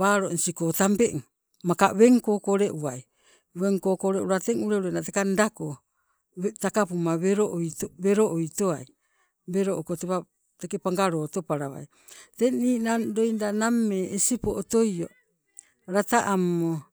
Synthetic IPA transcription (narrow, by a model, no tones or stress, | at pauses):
aːɾonsikotampeʔ | makaβeŋko̞ːkoɾeʔuaj | βeŋkoːkoɾeʔuɾateŋuɾeuɾenatekandako | takapumaβeɾoʔjtβeɾoʔojtoaj | beɾoʔokotepa | tekepaŋɡaɾo̞to̞paɾaβa̰j | teŋniːnado̞jndanamːeesipoʔːtojo̰ | ɾataʔamːo